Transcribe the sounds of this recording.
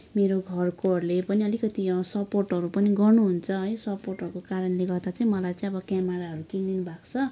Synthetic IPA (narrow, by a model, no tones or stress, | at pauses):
meɾoɡʱʌrkorlepʌniʌlikʌt̪isʌporʈɦʌɾupʌniɡʌrnuɦunt͡sʰʌɦʌjsʌporʈʌɾkokaɾʌnleɡʌrd̪at͡sʌĩmʌlajt͡sʌĩʌbʌkamaɾaɦʌɾukind̪inubʱakt͡sʰʌ